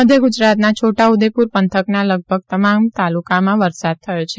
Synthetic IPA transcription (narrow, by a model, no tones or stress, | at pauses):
əd̪ʱjəɡʊd͡ʒɾat̪nat͡ʃʰoʈaud̪epuɾpənt̪ʰəknaləɡ̚bʱəɡ̚t̪əmamt̪alukamãʋəɾsad̪̚t̪ʰəjot͡ʃʰe